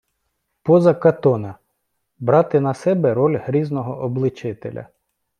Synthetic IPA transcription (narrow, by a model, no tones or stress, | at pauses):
pɔzɐkɐt̪ɔnɐ | bɾɑt̪ɪnɐsɛbɛɾɔlʲɦɾʲiznɔɦɔʔɔblˠɪt͡ʃɪt̪elʲɐ̰